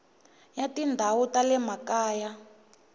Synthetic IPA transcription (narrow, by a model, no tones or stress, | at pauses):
jatindʱawutalɛmakaːja